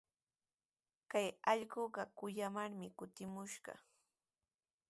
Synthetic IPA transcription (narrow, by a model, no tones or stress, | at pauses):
kajɑʎɢoɢɑkʊjamaɾmɪkʊt̪ɪmʊʃɢɑ̰